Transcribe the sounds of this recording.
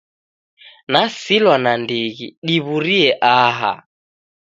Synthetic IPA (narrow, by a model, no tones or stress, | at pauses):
nasilwanandiɣḭɗiβuɾiɛʔaɦa̰